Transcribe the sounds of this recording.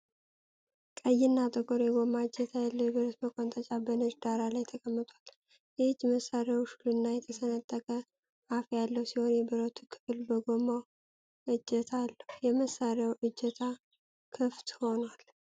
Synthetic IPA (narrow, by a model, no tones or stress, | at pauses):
kʼəjːɪnːat̪ʼəkʼoɾjɛɡo̞maɨd͡ʒɛt̪ʰajalːəwjɛbɨɾot̪məkʼont̪ʼət͡ʃʼabənəd͡ʒd̪aɾalajt̪ʰəkʼəmːɨt̪ʼwal | jɛhɨd͡ʒːməsːaɾjawʃulɨnːajɛt̪ʰəsənət̪ʼːəkʼə | afjalːəwsiho̞njɛbɨɾot̪ʰukʰɨ̥fɨlbəɡomaw | ʔɨd͡ʒːɛt̪ʰalːəhjɛməsːaɾjawʔɨd͡ʒːɛt̪ʰa | kʰɨft̪ho̞nwal